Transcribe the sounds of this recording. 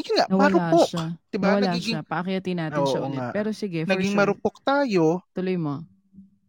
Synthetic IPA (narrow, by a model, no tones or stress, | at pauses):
jʊnŋaʔwpɐɾʊaoʃd̪̥ɪbaɐaɡiːɡɪapɐʔɐkɪjɐt̪ɪnaːt̪ɪoʃɐʔʊoŋaʔpɛːɾosɪɡɛnɐɡiŋmɐɾʊpok̚t̪aːjo̞t̪ʊlojmo